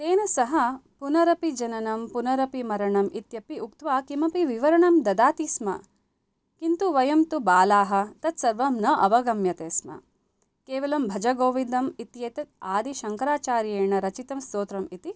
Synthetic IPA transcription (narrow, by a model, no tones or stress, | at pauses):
t̪eːnɐsɐɦɐpunɐɾɐpid͡ʒɐnɐnɐmpunɐɾɐpimɐɾɐɳɐmit̪jɐpiukt̪ʋaːkimɐpiʋiʋɐɾɐɳɐmd̪ɐd̪aːt̪ismɐ̰ | kint̪uʋɐjɐmt̪ubaːlaːɦɐ̆t̪ɐt̪sɐɾʋɐmnɐʔɐʋɐɡɐmjɐt̪eːsmɐ̰ | keːʋɐlɐmbʱɐd͡ʒɐɡoːʋind̪ɐmit̪jeːt̪ɐt̪̚aːd̪iʃɐŋkɐɾaːt͡ʃaːɾjeːɳɐɾɐt͡ʃit̪ɐmst̪oːt̪ɾɐmit̪i